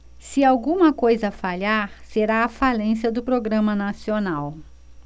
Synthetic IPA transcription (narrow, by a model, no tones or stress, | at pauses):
sɪawɡũmɐkojzɐfaʎaɾseɾaːfalẽsiɐd̪ʊpɾoɡɾɐ̃mɐnasionaw